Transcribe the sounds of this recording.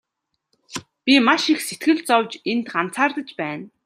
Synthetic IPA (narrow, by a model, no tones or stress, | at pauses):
pʲimaʃixset̪ɡɘ̆ɮt͡sɔwt͡ɕent̪ɢan̥t͡sʰaːrt̪ə̆t͡ɕpæːn